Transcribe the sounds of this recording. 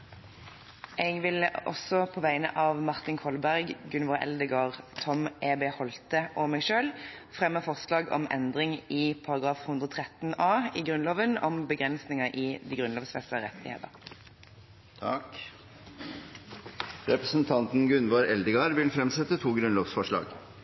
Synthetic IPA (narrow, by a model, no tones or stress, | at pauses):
ʔɛɡʋɪlɔ̰sɔpʰoːʋæɪnə̰ʔɑːʋmɑʁt̪ɪnkʰɔlbæʁɡɡʉnʋoːɾʔɛ̰ld̪əɡɑːʁt̪ʰɔmʔeːbeːhɔlt̪əʔɔmɛɡʃøːlfʁɛmːəfɔʁslɑːɡɔ̰mɛ̰nd̪ʁɪŋɪpʰɑʁɑɡʁɑːfhʉnd̪ʁɔːt̪ʰʁɛt̪nɑːɪɡʁʉnloːʋənɔmbəɡʁɛnsnɪŋəʔɪd̪iːɡʁʉnloːʋsfɛst̪əʁɛt̪ɪ̰hḛːt̪əʁ | t̪ʰɑk | ɾɛpɾəsnt̪ʰɑnt̪n̩ɡʉnʋoːɾɛld̪əɡɑːɾʋɪlfɾɛmsɛt̪ːət̪ʰuːɡɾʉnloːʋsfɔʂɭɑ̰ːɡ